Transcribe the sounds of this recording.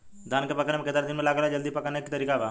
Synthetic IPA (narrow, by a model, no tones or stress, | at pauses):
d̪aːnkepɐkanemeked̪aɾd̪ɪnmẽlaːɡəlad͡ʒəld̪ipɐkanekit̪əɾiːkabaː